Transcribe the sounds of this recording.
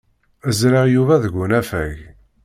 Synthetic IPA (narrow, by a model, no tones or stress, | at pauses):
əzɾaʁjuvæðəɡʷʊnæfæ̰ʝ